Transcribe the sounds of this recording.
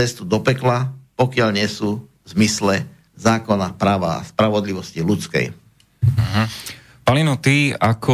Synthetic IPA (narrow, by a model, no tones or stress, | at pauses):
ɛst̪ud̪ɔpɛklapɔkɪaʎɲɪɛsuːvzmislɛ | zaːkɔnapɾaːʋa̰a̰spɾaʋɔd̪liʋɔscilut͡skɛ̰j̩ | ɦ̩ | palinɔt̪iakʰɔ